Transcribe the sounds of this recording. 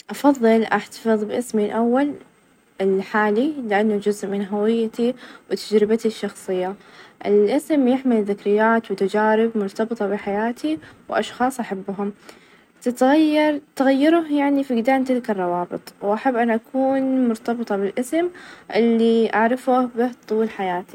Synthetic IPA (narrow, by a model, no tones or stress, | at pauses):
ʔɑfɑðˤːɨlʔaħt̪ḁfɨðˤbɪʔɪsmilʔawːal | ɪlħaːlilɪʔanːad͡ʒʊzʔmɪnɦawɪjːat̪iwɪt̪ad͡ʒɾɪbat̪iʃːɑxsˤɨjːaʔɪ̰lʔɪsmjɪħmɪlðɪkɾɪjːaːt̪wɪt̪ad͡ʒaːɾɪbmʊɾt̪ɑbɨt̪ˤɑbɪħajaːt̪iwʔɑʃxɑːsˤʔaħabːɦʊm | t̪ɪt̪ɣajːɑɾˤt̪aɣajːɪɾʊhjaʕnifiɡd̪aːnt̪ɪlkɑrˤːɑwɑːbɨt̪ˤwʔaħabːʔanʔakʰuːnmʊɾt̪ɑbɨt̪ˤɑbɪlʔɪsmʔɪlːiʔaʕɾɑfʊhbɪht̪ˤuːlħajaːt̪i̥